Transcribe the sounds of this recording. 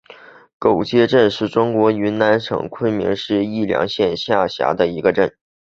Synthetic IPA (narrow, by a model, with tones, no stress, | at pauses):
ko˨˩ʊt͡ɕjɛ˥ʈ͡ʂə˥˧nʂɻ̩˥˩ʈ͡ʂʊ˥ŋkwɔ˧˥y˧˥na˧˥nʂʰɤ̰˨˩ŋkʰə˥˩nmḭ˧˥ŋʂɻ̩˥˧i˥˩ljɑ̰˧˥ŋɕjɛ˥˧nɕja˥˩ɕja̰˧˥d̪ə˧i˧˥ɡə˧ʈ͡ʂə˥˩n